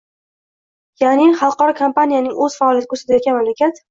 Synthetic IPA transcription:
janɪχɑlˠqɒɾɒkʰompanijanɪŋɵz̥faːlijat̪ʰɪkɵsɪd̪ajt̪̚ʲanmamlakʲʰat̪

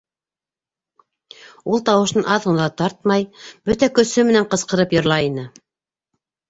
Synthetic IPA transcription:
ulˠt̪ɑwɤ̆ʃnɤnɑðɤ̆nˠɑt̪ɑɾt̪̚mɑjbɵt̪ækɵ̆sɵmɘ̆næɴqɤ̆sqɤ̆ɾɤpjɤ̆ɾlˠɑinɘ

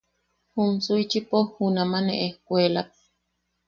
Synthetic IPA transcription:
humsujt͡ʃipohunamanḛʔehkʷelap̚

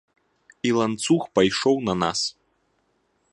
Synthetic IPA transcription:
ilˠant̪suxpajʂɔwnɐna̰s

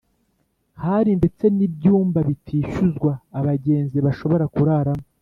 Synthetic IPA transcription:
haɾinde̞t͡se̞nibjuːmbaβitʰiːʃuzɡwaːβaɟe̞ːnziβaʃo̞βo̞ɾakuɾaːɾamo

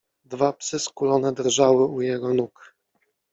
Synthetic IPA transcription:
d̪vapsɘskulɔnɛd̪ɾʐawɘujɛɡɔnuk

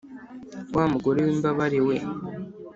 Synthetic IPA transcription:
waːmuɡo̞ɾewiːmbaβaɾiwe

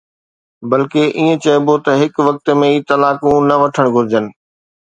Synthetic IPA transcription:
bɐlkeʔiːə̃t͡ɕɐɪbot̪ɐɦɪkʋɐk̚t̪mẽiːt̪ɐlaːkũnɐʋɐʈʰəɽ̃ɡʱʊɾɪd͡ʑənɪ̆

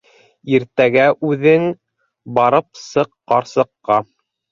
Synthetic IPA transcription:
iɾt̪æɡæʔʉðɘŋ | bɑɾɤp̚sɤqːɑɾsɤ̆qːɑ

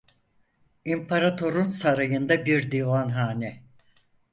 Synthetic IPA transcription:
impʰaɾat̪ʰo̞ɾunsaɾajɯnd̪abiɾd̪ivanɦaːnɛ

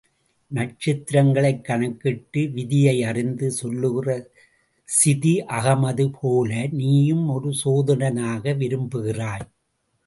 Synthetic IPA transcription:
nɐʈ̚t͡ʃɪt̪ːɪɾɐŋɡɐɭɐɪkːɐɳɐkːɪʈːɯʋɪðɪjɐɪɐrɪnd̪ɯsɔlːɯɣɪrɐ | sɪðiʔɐɣɐmɐðɯpʰoːlɐniːjɯmɔɾɯsoːðɐnɐnaːɣɐʋɪɾɯmbɯɣɪraːj

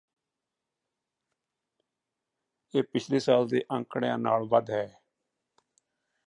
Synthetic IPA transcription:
eːpɪt͡ʃʰleːsaːld̪eːʔəŋkɽjãːnaːlʋəd̪ɦɛː

